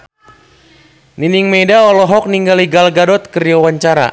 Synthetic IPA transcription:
niniŋmedaɔlɔɦɔk̚niŋɡaliɡalɡadɔt̪̚kəɾiawaɲt͡ʃaɾa̰

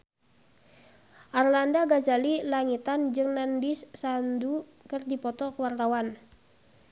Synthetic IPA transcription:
ʔarlandaɡazalilaŋit̪and͡ʒɨŋnandisːand̪u | kɨrdipɔt̪ɔkəwart̪awan

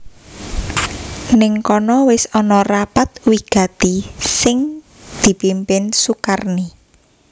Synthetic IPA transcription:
nɪŋkɔnɔwɪsɔnɔrapat̪wiɡ̥a̤t̪isɪŋ | d̪̥i̤pimpɪnsukarni

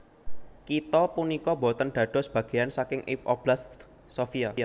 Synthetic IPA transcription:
kit̪ɔpunikɔbɔ̤t̪ənɖ̥ä̤ɖ̥ɔ̤səb̥ä̤ɡ̥e̤jansakɪŋʔḭp̚ɔ̰b̥lasː | ofiaa

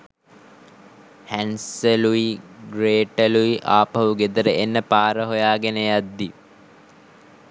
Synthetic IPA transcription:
hænsəluiɡreːʈəluiʔaːpɐʋuɡed̪əɾəenːəpaːɾəɦojaːɡenejad̪ːi

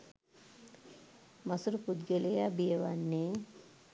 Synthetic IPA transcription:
masuɾupud̪ɡelejaːbijəʋanːe

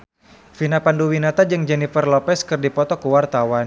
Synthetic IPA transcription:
finapanduwinat̪ad͡ʒɨŋd͡ʒɛnifərlɔpɛskɨrdipɔt̪ɔkuwart̪awan

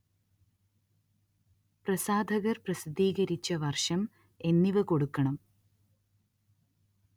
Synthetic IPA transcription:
prɐsaːd̪ʱɐɣɐrprɐsid̪iːɣɐɾit͡ɕːɐʋɐrʂɐm | e̞nːiʋɐko̞ɽukːɐɳɐm

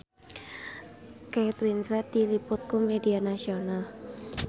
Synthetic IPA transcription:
kɛt̪winsɛt̪ilipʊt̪̚kumedianasional

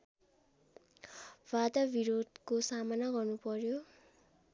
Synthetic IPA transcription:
b̥ad̪ʌbʱiɾod̪kosamanaɡʌrnupʌrjo

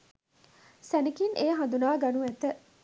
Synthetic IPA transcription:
sænikinʔejɦɐ̃nd̪unaːɡanuæt̪ə

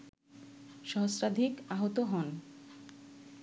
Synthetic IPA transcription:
ʃɔɦosɾad̪ʱikaɦot̪oɦɔn

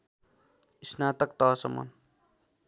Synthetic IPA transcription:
isnaːt̪ʌkt̪ʌɦsʌmʌ̰n

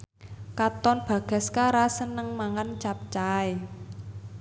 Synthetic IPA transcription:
kat̪ɔnb̥a̤ɡ̥ɛ̤skaɾasənəŋmaŋant͡ʃap̚t͡ʃae

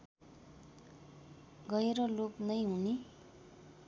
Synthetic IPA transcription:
ɡʌeɾʌlopnʌjɦune

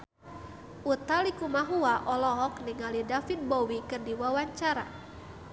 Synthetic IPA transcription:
ʔut̪alikumaɦuaʔɔlɔɦɔk̚niŋalidafit̪̚bowikɨrdiwawaɲt͡ʃaɾa̰

